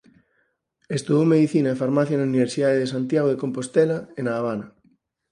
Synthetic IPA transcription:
est̪uðowmeðiθinaefaɾmaθjanauniβ̞eɾsiðaðeðesant̪jaɣ̞oðekompost̪ɛlaenaːβ̞anɐ

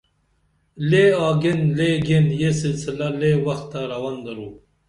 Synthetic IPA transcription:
leɑːɡenleɡenjesilsilalewɐxt̪ːaɾɐwaːnd̪ɐɾuː

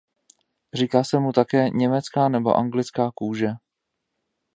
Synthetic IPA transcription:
r̝iːkaːsɛmut̪akɛːɲɛmɛt͡skaːnɛbo̞̰ʔaŋɡlɪt͡skaːkuːʒɛ

